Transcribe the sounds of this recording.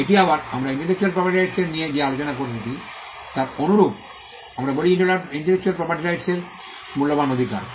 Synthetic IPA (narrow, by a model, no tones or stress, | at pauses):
eʈiabaɾa̰mɾaiɳʈelek̚t͡ɕualpɾɔpaɾʈiɾajʈseɾnijed͡ʑealot͡ɕonakoɾt̪it̪i | t̪aɾonuɾub | amɾaboliiʈiɳʈelek̚t͡ɕualpɾɔpaɾʈiɾajʈseɾ | mulːobanod̪ʱika̰ɾ